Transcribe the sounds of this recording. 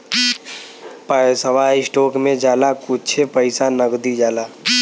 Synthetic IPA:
pəsəʋaːisʈoːkmẽd͡ʒaːlakʊt͡ʃʰepəɪsanəɡd̪id͡ʒaːlaː

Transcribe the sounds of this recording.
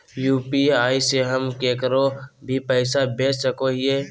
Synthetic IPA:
juːpiaːiseɦəmkekəɾobʱipɛːɪsabeːt͡ʃsəkoɦie

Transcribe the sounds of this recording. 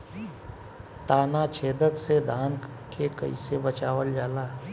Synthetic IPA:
t̪aːnat͡ʃʰeːd̪ək̪sed̪ʱaːn | kʰekəḭsebət͡ʃaːʋəld͡ʒaːlaː

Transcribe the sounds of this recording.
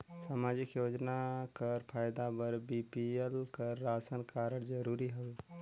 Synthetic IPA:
samad͡ʒikjod͡ʒnakəɾpʰajd̪abəɾbipielkəɾːasənkaɾəɽd͡ʒəɾuɾiɦəe

